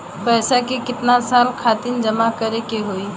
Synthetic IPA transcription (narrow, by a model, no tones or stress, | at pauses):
pɛːsakekɪt̪nasaːlkʰaːt̪ind͡ʒɐmakɐɾekeɦoːiː